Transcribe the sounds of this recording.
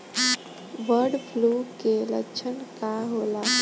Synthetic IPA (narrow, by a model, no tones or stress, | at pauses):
ʋəɾɖpʰlukelə̰kt͡ʃʰənkaɦola